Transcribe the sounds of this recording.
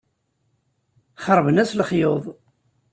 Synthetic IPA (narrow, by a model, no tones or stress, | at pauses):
χəɾˤvənæsləχjoðˤ